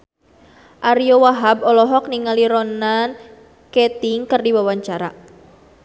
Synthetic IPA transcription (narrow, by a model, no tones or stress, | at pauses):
ʔaɾiowaɦabɔlɔɦɔk̚niŋaliɾɔnan | kɛt̪iŋkɨrdiwawaɲt͡ʃaɾa